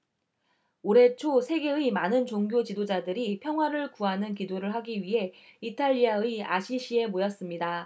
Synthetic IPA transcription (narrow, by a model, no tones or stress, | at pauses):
oɾe̞t͡ɕʰosʰe̞ɡe̞ɯimanɯnt͡ɕoŋɡʲjot͡ɕidod͡ʑadɯɾipʰjʌŋɦwaɾɯɭkuɦanɯnkidoɾɯɭɦaɡiɥiɦe̞itʰaʎːiaɯia̰ɕʰiɕʰie̞mojʌs͈ɯmɲida